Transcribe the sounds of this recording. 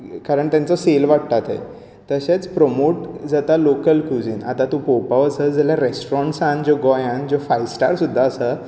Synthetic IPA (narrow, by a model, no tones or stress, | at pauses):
kaɾəɳt̪jãnt͡səselʋaɽt̪at̪ḛ | t̪əɕet͡spɾomoʈd͡zat̪alokəlkud͡ziːna̰t̪at̪upopaʋəsəd͡zaljaɾesʈɾɔ̃ɳʈsãnd͡ʑoɡɔjãnd͡ʑofajsʈaɾsud̪ʱːaəsə